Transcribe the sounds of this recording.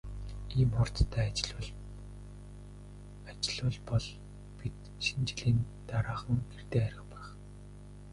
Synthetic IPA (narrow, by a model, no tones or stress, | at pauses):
iːmχɔr̥t͡st̪ʰæːt͡ɕɮʊ | at͡ɕɪ̆ɮʊːɮpɔɮ | pit̪ | ʃint͡ɕɪ̆ɮiːn | t̪aɾaːχə̆ŋɡert̪eːæɾʲɪ̆qpæːχ